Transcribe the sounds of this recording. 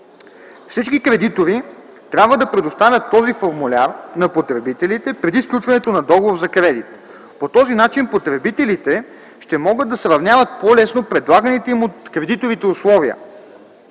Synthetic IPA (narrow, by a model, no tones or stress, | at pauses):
fsit͡ʃkikɾɛd̪it̪oɾi | t̪ɾʲabvəd̪ɐpɾɛd̪ʊst̪avʲət̪ːɔzifoɾmulʲaɾnɐpot̪ɾɛbit̪ɛlit̪ɛpɾɛd̪isklʲut͡ʃvɐnɛt̪onɐd̪ɔɡovoɾzɐkɾɛd̪it̪ | pot̪ɔzinat͡ʃinpot̪ɾɛbit̪ɛlit̪ɛ | ʃt̪ɛmɔɡɤd̪ːɐsɾɐvnʲjavət̪̚polɛsnopɾɛd̪lˠaɡənit̪ɛimot̪kɾɛd̪it̪ovit̪ɛʊslˠɔviə̰